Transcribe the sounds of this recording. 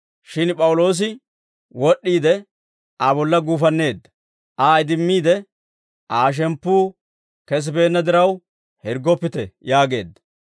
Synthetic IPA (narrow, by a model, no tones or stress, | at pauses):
ʃɪnpʼɐwʊlo̞ːs̬ɪ | wɔɗːiːd̪ɛ | ʔɐbɔlːɐɡuːfɐnːe̞ːd̪ːɐ̥ | ʔaːɪd̪ɪmːiːd̪ɛ | ʔaːʃ̬ɛmpːuː | kɛs̬ɪbe̞ːnːɐd̪ɪɾɐw | hɛɾɡɔpːɪt̪ɛjaːɡe̞̰ːd̪ːɐ̥